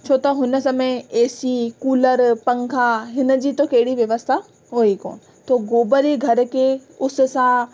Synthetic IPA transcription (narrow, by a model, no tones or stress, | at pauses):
t͡ɕʰoːt̪ɐɦʊnə̆sɐmẽeːsikuːləɾpɐ̃ŋkʰaɦɪnə̆d͡ʑiːt̪okɐɦɪɽiʋjɐʋəst̪ʰa | ɦoːiko̰ːnɪ̆ | t̪oːɡoːbəɾeɡʱɐɾ̆kʰeːʊsʊ̆sã